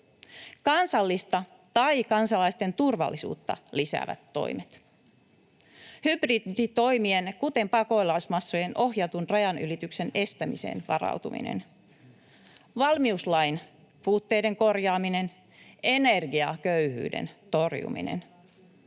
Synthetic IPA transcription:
kɑnsɑlːist̪ɑ | t̪ɑjkɑnsɑlɑjst̪e̞nt̪urʋɑ̰lːisṵːt̪ːɑ̰lisæ̰ːʋæ̰t̪ːo̞̰imet̪ | hybridit̪o̞jmienkut̪e̞mpɑko̞jlɑsmɑsːojenʔo̞hjɑt̪unrɑjɑnylit̪ykse̞ne̞st̪æmḭsḛːnʋɑ̰rɑ̰wt̪umḭnḛn | ʋɑlmiuslɑjn | puːt̪ːe̞jde̞ŋko̞rjɑːmine̞n | e̞nerɡiɑkøyhy̰ːdḛnt̪orjṵmḭnḛn

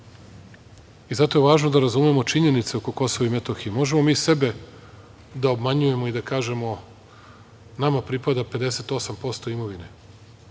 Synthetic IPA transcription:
izat̪o̞jeʋaːʒnod̪aɾazumemo̞t͡ʃiɲenit̪seo̞ko̞ko̞so̞ʋaimet̪oxiemo̞ʒe̞mo̞miːse̞be̞ | d̪aobmaɲuje̞mo̞id̪akaːʒe̞mo̞ | namapɾipad̪ape̞d̪e̞se̞t̪o̞sampo̞st̪oimo̞ʋine

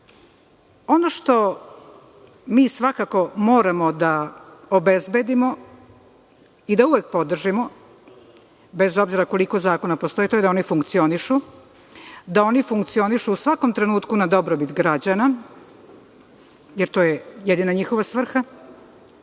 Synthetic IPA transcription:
o̞noʃt̪o̞ | miːsʋakako̞mo̞ːɾamo̞d̪aobe̞zbe̞d̪imo̞ | id̪auʋek̚po̞d̪r̩ʒimo̞ | be̞zo̞bziɾako̞liko̞zaːko̞napo̞st̪o̞jit̪ojd̪ao̞nifuŋkt̪sio̞niʃu | d̪ao̞nifuŋkt̪sio̞niʃuːsʋako̞mt̪ɾe̞nuːt̪kunad̪o̞bɾobit̪ɡɾad͡ʑana | jeɾt̪o̞ːjeje̞d̪inaɲixo̞ʋasʋr̩xa

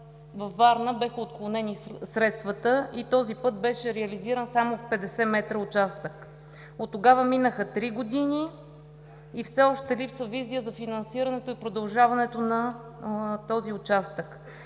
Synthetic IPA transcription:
vɐfːaɾnəbɛxəot̪̚klˠonɛnisɾɛt̪st̪vət̪əʔit̪ɔzipɤt̪̚bɛʃɛɾɛɐliziɾənsamofpɛd̪ɛsɛmɛt̪ɾəot͡ʃast̪ək | ot̪ːoɡavəminəxət̪ɾiɡod̪ini | fsɛɔʃt̪ɛlipsəvizijəzɐfinɐnsiɾɐnɛt̪oipɾod̪ɐlˠʒavɐnɛt̪onɐ | t̪ɔziʊt͡ʃast̪ək

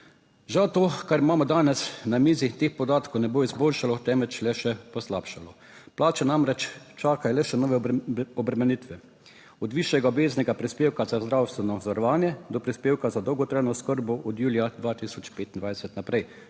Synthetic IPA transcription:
ʒawt̪oːkaɾimaːmɔd̪aːnɛsnamiːzit̪eːxpɔd̪aːt̪kownɛboːizboːlʃalɔt̪ɛmɛt͡ʃlɛʃɛpɔslapʃalɔ | plaːt͡ʃɛnamɾɛt͡ʃ | t͡ʃaːkajɔlɛʃɛnɔːʋɛɔbɾɛmɛnit̪ʋɛ | ɔd̪ʋiʃjɛɡaɔbeːznɛɡapɾispeːwkazazd̪ɾawst̪ʋɛnɔzʋaɾɔʋaːnjɛd̪ɔpɾispeːwkazad̪ɔwɡɔt̪ɾajnɔskəɾbɔʔɔd̪juːlijad̪ʋaːt̪isɔt͡ʃpeːt̪ind̪ʋajsɛt̪napɾɛj

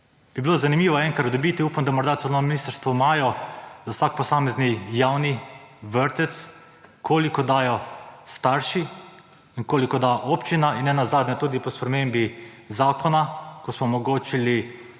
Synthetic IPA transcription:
b̥ibilozanimiːʋɔɛŋkɾaɾt̪d̪ɔbit̪iuːpnd̪amɔɾd̪at̪onɔʋminiːst̪əɾst̪ʋɔmaːjɔzawsakpɔsaːmɛznijawniʋəɾt̪ɛt̪s | kʰoːlikɔd̪aːjɔst̪aɾʃi | iŋkoːlikɔd̪aʔopt͡ʃinainːɛnazaːd̪nɲɛt̪uːd̪ipɔspɾɛmeːmbi | zaːkɔnakɔsmɔːmɔɡoːt͡ʃili

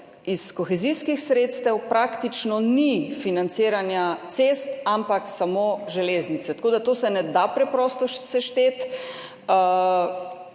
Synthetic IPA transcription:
iskɔxɛziskixsɾeːt̪st̪ɛwpɾakt̪it͡ʃnɔnifinant̪seːɾanjat̪seːst̪ampaksamoʒɛleːznit̪sɛt̪koːd̪at̪oːsɛnɛd̪apɾɛpɾɔst̪ɔʃsɛʃt̪eːt̪

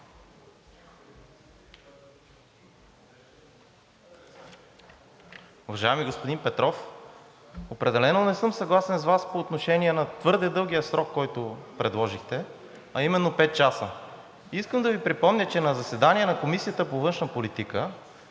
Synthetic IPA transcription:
ʊvɐʒajɛmiɡospod̪inpɛt̪ɾɔf | opɾɛd̪ɛlɛnonɛsɤmsɐɡlˠasɛnsvaspoːt̪noʃɛnʲiɛnɐt̪vɤɾd̪ɛd̪ɤlˠɡ̟ijəsɾɔkːɔjt̪ʊpɾɛd̪lˠɔʒixt̪ɛ | ɐimɛnːopɛt̪̚t͡ʃasə | iskəmd̪ɐvipɾipɔmnʲət͡ʃɛnɐzɐsɛd̪aniɛnɐkomisijət̪əpovɤnʃnəpolit̪ikə

